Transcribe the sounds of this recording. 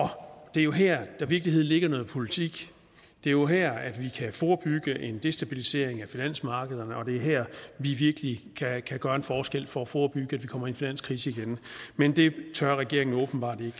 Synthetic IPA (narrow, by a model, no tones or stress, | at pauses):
ɒ̽d̥e̝æɐjo̝ɦæɐ̰d̥æʋiɐɡ̥liɦe̝ð̞̰ˠn̩le̝ɡ̥ɐnɔ̽ːð̩ˠpʰo̝lit͡sʰiɡ̥ | d̥e̝æɐjo̝ɦæɐ̰æd̥ʋikʰæfɒːb̥yɡ̥əʔe̝nd̥e̝sd̥æb̥ilise̝̰ɐ̰e̝ŋæfinæn̰smɑ̈ːɡ̥əðˠɐnəɒ̽d̥e̝æɐɦæɐ̰ʋiʋiɐɡ̥əlikʰækʰæɡ̥ɶːɐenfɒːsɡ̥el̰fɒ̽ːfɒːb̥yɡ̥əæd̥ʋikʰɒ̽mɐinfinæn̰skʰʁḭːsəiɡ̥enmend̥e̝t͡sʰɶɐʁɛɡ̥e̝ɐ̰e̝ŋn̩ɔ̽ːb̥n̩b̥ɑ̈ːd̥e̝ɡ̥